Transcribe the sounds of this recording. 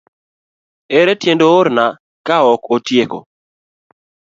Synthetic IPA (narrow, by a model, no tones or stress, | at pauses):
eɾetjendooɾna | kaɔkotjeko̰